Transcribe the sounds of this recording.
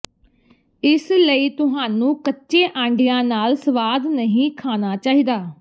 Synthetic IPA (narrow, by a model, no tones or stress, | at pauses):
ɪsləiːt̪ʊɦaːnũːkətːʃeːʔãːɳɖɪjãːnaːlsəʋaːd̪nəɦĩːkʰaːnaːt͡ʃaːɦiːd̪aː